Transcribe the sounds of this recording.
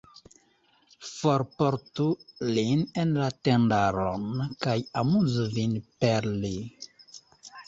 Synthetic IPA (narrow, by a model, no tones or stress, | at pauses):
foɾpoɾtulinenlatendaɾo̰nkajamuzuvinpeɾli